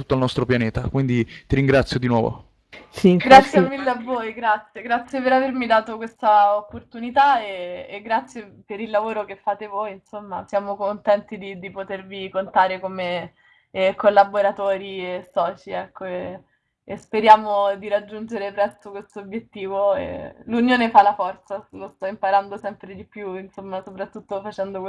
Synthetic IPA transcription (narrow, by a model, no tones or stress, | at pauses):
ut̪ːoalnɔst̪ɾopjaneːt̪a̰kwind̪it̪iɾiŋɡɾat̪sːjod̪inwɔːvo̰ | siɡɾat̪sːjemːilːeavːojɡɾat̪sjeɡɾat̪sjepeɾavermid̪aːt̪okwest̪aopːort̪unit̪aeːɡːɾat̪sjepeɾilːavoːɾokefːaːt̪evojnsomːa̰sjaːmokont̪ɛnt̪id̪id̪ipot̪ervikont̪aːɾekome | kolːaboɾat̪oːɾiesɔːt͡ʃiɛkʰːoe | espeɾjaːmod̪iɾad͡ʒːund͡ʒeɾepɾɛst̪okwest̪objet̪ːiːvoḛlunjoːnefalːafɔrt̪salost̪ɔimpaɾand̪osɛmpɾed̪ipjuinsomːasopɾat̪ːut̪ːofat͡ʃɛnd̪ok